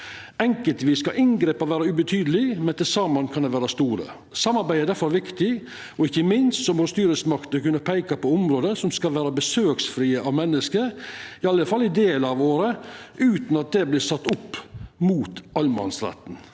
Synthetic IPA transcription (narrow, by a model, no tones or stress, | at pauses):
ɛŋkəlt̪ʋiːskɑʔɪnɡɾeːpɑɾʋæːɾɑʉbət̪ʰyːd̪əlɪmɛnt̪ɪlsɑːmɑnkʰɑnd̪ɛʋæːɾɑst̪uːɾə̰ | sɑmːɑɾbæɪæd̪æɾfɔɾɾʋɪkt̪ɪ | ɔɪçːəmɪnst̪sɔmɔɾst̪yːɾəsmɑkt̪əkʉnːəɾpʰæɪkɑpɔʊmɾoːd̪əsɔmskɑlʋæːɾɑbəsøːksfɾiːəʔɑʋmɛnːəskəɾɪɑlːəfɑlɪd̪eːlɑʋoːɾəʔʉːt̪n̩ɑt̪̚d̪ɛblɪːɾsɑt̪ːʊpːmuːt̪ɑlmɑ̰nsɾɛ̰t̪n̩